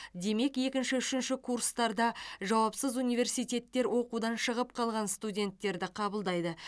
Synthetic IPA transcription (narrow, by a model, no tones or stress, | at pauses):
d̪e̞me̞ke̞kʲɪnʃɪʏʃɪnʃɪkʰurst̪ɑɾd̪ɑʒɑwɑpsəzunijve̞rsijt̪ʲe̞t̪ːe̞ɾwʔo̞qud̪ɑnʃəʁəp̚qʰɑlˠʁɑnst̪udʲe̞nt̪ːe̞ɾd̪ɪqʰɑbəlˠd̪ɑjd̪ə